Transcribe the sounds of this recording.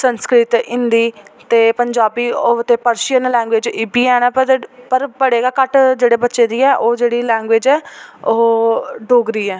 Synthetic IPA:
sənskɾɪt̪ɪ̃nd̪iːt̪eːpəɲd͡ʒaːbiːot̪eːpəɾʃijənlɛ̃ːŋɡʋeːd͡ʒɪːbiːɛːnaːəɾpəɾbəɽeːɡaːkəʈd͡ʒeːɽeːbətːʃeːd̪iːɛːʔoːd͡ʒeːɽiːlɛ̃ːŋɡʋeːd͡ʒɛːoːɖoːɡɾiːɛː

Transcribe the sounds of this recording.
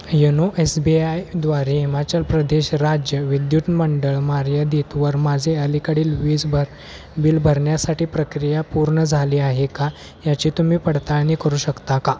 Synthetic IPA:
jenoʔesbiajd̪ʋaɾeɦimat͡ɕəlpɾəd̪eɕɾad͡ʑjəʋid̪jut̪məɳɖəɭmaɾjəd̪et̪ʋəɾmad͡zʱeəlikaɽiːlʋid͡zb | bilbʱəɾɳjasaʈiːpɾəkɾijapuɾɳəd͡zʱaliːaɦeka | jat͡ɕiːt̪um̤iːpəɽt̪aɭniːkəɾuːɕəkt̪aka

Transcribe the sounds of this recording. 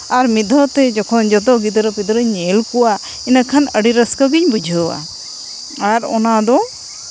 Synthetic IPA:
aɾmid̪ʱɔt̪ɛd͡ʒɔkʰɔnd͡ʒɔt̪ɔɡid̪əɾɔpid̪ɔɾɔɲɛlkɔwa | inakʰanəɖiɾəskəɡiɲbud͡ʒʱəwa̰ | aɾɔnad̪ɔ

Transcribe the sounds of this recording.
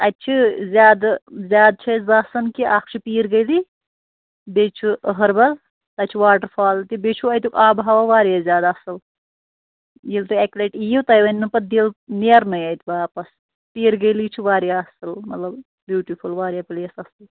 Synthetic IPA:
ɐt̪̚t͡ʃʰizʲjaːd̪zʲjaːd̪̚t͡ʃʰɐzaːsɐnkiʔaːkʰt͡ʃʰipiːɾɡɐjli | bet͡ʃʰiɦɐɾbɐl | t̪ɐt͡ʃʰiʋaːʈəɾfʰaːlt̪ibet͡ʃʰuɐjt̪ʲukaːbɦaʋaʋaːɾjaːzʲjaːd̪aɐsɨl | jilt̪ɨɛkleʈijiwt̪ɐjʋɐnʲnɨpɐt̪̚d̪ilneɾnɐjɐjt̪ʲibaːpɐs | piːɾɡɐjliːt͡ʃʰiʋaːɾjaːɐsɨlmɐt̪lɐb | bjuːʈifʰulʋaːɾjaːpleːsɐsl

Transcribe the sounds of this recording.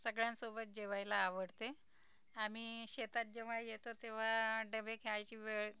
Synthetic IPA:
səɡɭjãnsobət̪̚d͡ʑeʋajlaːʋəɽt̪e | amiɕet̪at̪̚d͡ʑeʋ̤ajet̪ot̪eʋ̤aɖəbekʰeajt͡ɕiːʋeɭ

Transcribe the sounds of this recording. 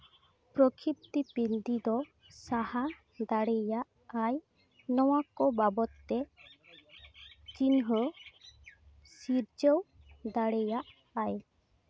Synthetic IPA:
pɾɔkʰip̚t̪ipind̪id̪ɔ | saha | d̪aɽɛjaʔ | aj | nɔwakɔbabɔt̪ːɛ | t͡ʃinɦɔ | siɾd͡ʒəw | d̪aɽɛjaʔ | aj

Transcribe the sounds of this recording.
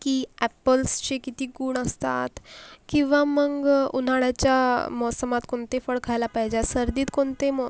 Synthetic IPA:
kiːæpəlst͡ɕekit̪iːɡuːɳəst̪a̰t̪kĩw̃ʋaməɡɡṵn̤aɽjat͡ɕjamɔsəmat̪koɳt̪efəɽkʰajlapəɦd͡ʑasəɾd̪iːt̪koɳt̪emɔ

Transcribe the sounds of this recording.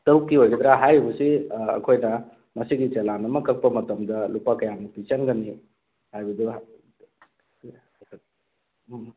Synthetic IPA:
tɐwkːiɦojɡed̪ɾaɦajbɐsḭːkʰojnɐ | mɐsiɡit͡ʃelanɐmɐkɐk̚pɐmɐtɐmdɐlupakɐjanɐpit͡ʃɐŋɡɐni | hajbɐdu

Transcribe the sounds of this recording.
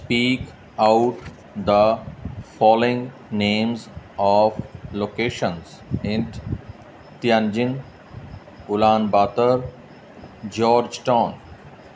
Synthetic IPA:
sspiːk | aʊʈ | d̪əfɔːlɪ̃ŋ | nẽːmzɔːʋloːkeːʃə̃nz | ɪ̃n | t̪jãnd͡ʒɪ̃ŋ | ɡʊlãːnbaːt̪əɾ | d͡ʒɔːɾd͡ʒʈãːn

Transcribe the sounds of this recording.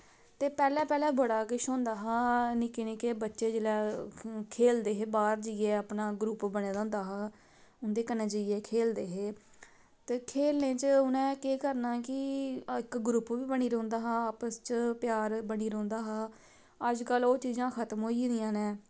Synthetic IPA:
t̪eːpɛːlɛ̃ːpɛːlɛːbəɽaːkɪʃõːnd̪aːɦãːnɪkeːnɪkeːbətːʃeːd͡ʒelɛːkʰeːld̪eːɦeːbaːɾd͡ʒieːəpnaːɡɾupbəɽ̃eːd̪ãːnd̪aːɦaː | ʊnd̪eːkənẽːd͡ʒəieːkʰeːld̪eːɦeː | t̪eːkʰeːlnẽːt͡ʃʊnɛ̃ːkeːkəɾnaːkɪɪkɡɾʊpʋiːbəɳ̃iːɾə̃ːnd̪aːɦãːaːpəst͡ʃpjaːɾbəɽiːɾə̃ːnd̪aːɦaː | əd͡ʒkəloːt͡ʃiːzãːkʰət̪mɦoːiːɾijãːneː

